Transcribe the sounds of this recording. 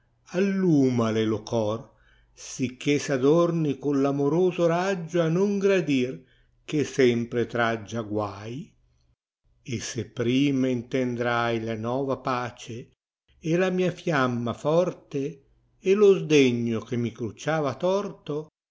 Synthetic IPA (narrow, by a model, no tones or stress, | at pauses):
alːuːmalelokɔr | sikːesad̪ornikonlamoɾoːzoɾad͡ʒːoanoŋɡɾad̪ir | k̟esɛmpɾet̪ɾad͡ʒːaɡwaːj | esepːɾiːmaint̪end̪ɾajlanɔːvapaːt͡ʃeː | lamiːafjamːafɔrt̪eː | lozd̪eɲːok̟emːikɾut͡ʃaːvat̪ɔrt̪o